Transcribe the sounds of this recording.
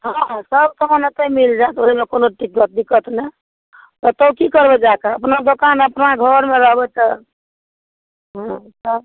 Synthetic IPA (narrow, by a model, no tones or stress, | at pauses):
ɦɔ̃səb̚t̪əɦə̃net̪əimild͡ʒaet̪oɦimekonoʈikːət̪̚d̪ikːət̪nɛ | t̪ɔt̪əkikəɾbɛd͡ʒakaəpnad̪okanəpnaɡʱəɾmeɾəɦbɛt̪ɔ | ɦɔ̃səb̚